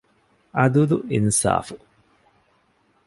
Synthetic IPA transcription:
ɐd̪ud̪uinsa̰ːfu

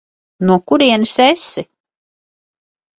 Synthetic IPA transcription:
nuɔkuɾiɛnɨsesi

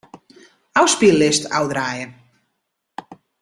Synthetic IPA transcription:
awspilːɪsta̰wdraːjən

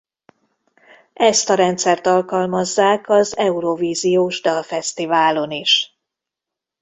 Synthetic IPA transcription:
ʔɛst̪ɒɾɛnt̪sɛrt̪ɒlkɒlmɒzːaːkɒzɛuɾoviːzijoːʒd̪ɒfɛst̪ivaːlo̞niʃ

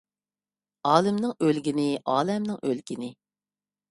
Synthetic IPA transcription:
ɑːlˠɪmnɪŋølɡʲinɪʔɑːlɛmnɪŋølɡʲinɪ

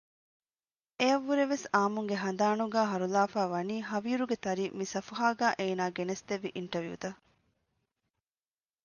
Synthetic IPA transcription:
eɐʋːuɾeʋesaːmuŋɡeɦɐn̆d̪aːnuɡæːɦɐɾulaːfaːʋɐniːɦɐʋiːɾuɡet̪ɐɾimisɐfɐɦaːɡæːʔeːnaːɡenest̪eʋːiʔiɳʈɐʋjṵːt̪ɐ

